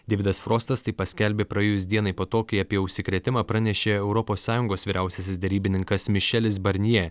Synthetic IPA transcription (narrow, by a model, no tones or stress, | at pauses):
d̪ʲɛːʋʲɪd̪ɐsfɾoːst̪ɐst̪ɐɪpɐsʲkʲɛlʲbʲeːpɾɐjeːjʊsd̪ʲiɛnɐɪpoːt̪oːkɐɪɐpʲiɛʊʃʲsʲɪkɾʲeɛt̪ʲɪmɑːpɾɑnʲɛʃʲeːɛʊɾɔpoːsːɑːjʊŋɡoːsʋʲiːɾʲæˑʊsʲɛsʲɪsd̪ʲɛɾʲiːbʲɪnʲɪŋkɐsmʲɪʃʲɛlʲɪs̬bɐɾʲnʲiɛ